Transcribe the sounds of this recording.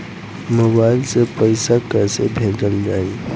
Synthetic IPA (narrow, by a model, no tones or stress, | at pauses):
moːbaːɪlsepəɪsakəːsebʱeːd͡ʒəld͡ʒaːe